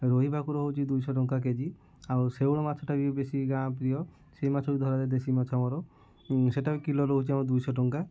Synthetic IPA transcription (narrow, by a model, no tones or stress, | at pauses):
ɾoɦibakuɾɔɦowt͡ʃʰid̪ujsɔʈ̬ɔŋkak̬ed͡ʒi | awsewɭɔmat͡ʃʰɔʈabibesiɡãpɾijɔ | seimat͡ʃʰɔbid̪ʱɔɾad̪ed̪esimɔt͡ʃʰɔmɔɾɔ | seʈabikilɔɾoɦowt͡ʃʰiamɔd̪ujsɔʈɔŋka